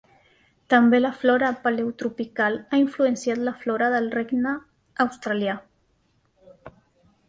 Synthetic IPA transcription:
t̪əmbeləflɔɾapalewt̪ɾupikalaiɱfluənsjat̪ləflɔɾəðəlreɡnəː | wst̪ɾalja

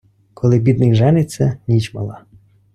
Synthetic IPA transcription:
kʰɔlˠɪbʲid̪nɪjʒɛnɪsʲɐnʲit͡ʃmɐ̰lˠɑ

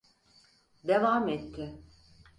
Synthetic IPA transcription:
d̪evaːmɛt̪ʰːɪ

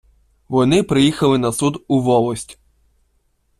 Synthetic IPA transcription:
ʋɔnɪpɾɪjixɐlˠɪnɐsud̪uʋɔlˠɔsʲtʲ

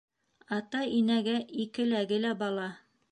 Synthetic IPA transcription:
ɑt̪ɑinæɡæikɘ̆læɡɘlæbɑlˠɑ

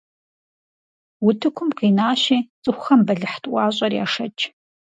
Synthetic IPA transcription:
wʊtʰɨkʷʰʊmqiːnaːɕiːt͡sʼɨxʷxɐmbɐɮɨħtʼʔʷɑːɕʼɐrja̰ːʂɐt͡ʃʰʼ

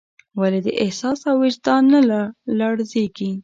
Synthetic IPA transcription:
waled̪əʔɪhsɑsawɪd͡ʒd̪ɑnalaɽzeɡi

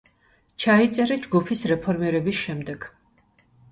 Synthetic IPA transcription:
t͡ʃʰait̪sʼɛɾɛd͡ʒɡupʰisɾɛpʰɔɾmiɾɛbisʃɛmd̪ɛɡ̥

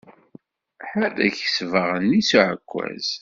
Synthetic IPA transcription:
ħalæçəsvəʁənisuʕəkʷːæ̰z̥

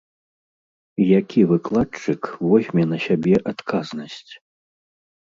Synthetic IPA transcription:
jakʲivɨklˠat͡ʂɨkvɔsʲmʲɛnɐsʲabʲɛʔat̪kʰaznɐsʲt͡sʲ

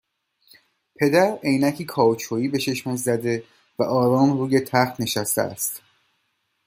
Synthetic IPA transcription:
pʰe̞d̪æɾejnæcʰiːkʰɒːot͡ʃʰoːiːbe̞ʃeʃmozzæd̪e̞ | væʔɒːɾɒːmruːjet̪ʰæχt̪ne̞ʃæst̪ḛæ̰st̪

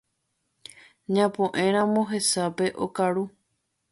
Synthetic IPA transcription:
ɲãpõʔẽɾ̃ãmõɦe̞sape̞ʔokaɾu

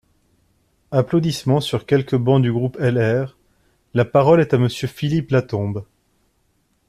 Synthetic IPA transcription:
aplod̪ismɑ̃syʁkʲɛlkəbɑ̃d̪yɡʁupɛlɛʁ | lapaʁɔlɛt̪aməsjøfiliplat̪ɔ̃b

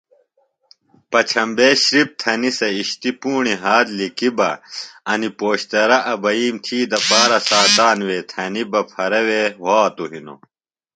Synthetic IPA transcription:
pɐt͡ɕʰɐmbeːɕɾip̚t̪ʰɐnisɐiɕt̪ipuːɳiɦaːd̪likibɐ̰ɐnipoːɕt̪ɐɾɐʔɐbɐiːmt̪ʰiːd̪ɐpaːɾɐsaːt̪aːnweːt̪ʰɐnibɐpʰɐɾɐwewaːt̪oɦino̰

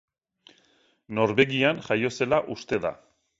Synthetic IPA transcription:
no̞ɾβe̞ɣianʝajo̞se̞laʔust̪e̞ða̰

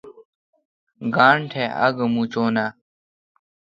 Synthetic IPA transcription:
ɡaːɳʈʰeːɐ̰ɡmuːt͡ɕoːnaː

